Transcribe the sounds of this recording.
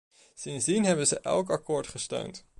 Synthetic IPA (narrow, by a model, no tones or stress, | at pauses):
sɪnzdinɦɛbənzəʔɛ̰lˠk̬ɑkʊːɹtχəstø̰ɥnt